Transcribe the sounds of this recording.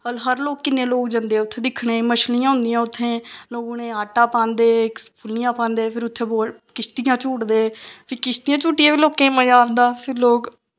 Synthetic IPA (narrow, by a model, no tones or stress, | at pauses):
əlɦəɾloːkːɪnːẽːloːk̚d͡ʒə̃nd̪eːʊt̪ʰːẽːd̪ɪkʰːɽẽːməʃlijãːɦʊ̃nd̪ijãːʊt̪ʰːẽːloːɡoːnẽːaːʈaːpãːnd̪eːkpʰʊlɪjãːpãːnd̪eːpʰɪɾʊt̪ʰːeːboː | kɪst̪ɪjãːt͡ʃuːʈd̪eːpʰiːkɪst̪ijãːt͡ʃuːʈːijãːʋiːloːkẽːməjãːnd̪aːpʰɪɾloːk